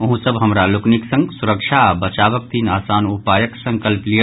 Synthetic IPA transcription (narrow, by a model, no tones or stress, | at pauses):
ɐɦũsəbɦɐmɾalʊkniksə̃ŋɡsuɾəkʃʰabət͡ʃaːʋək̚t̪iːnaːsaːnupaːjəksə̃ŋkəlpli